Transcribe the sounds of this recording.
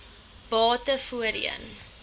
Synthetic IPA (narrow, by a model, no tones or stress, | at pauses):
b̥ɑːtəfuəɾḭə̰n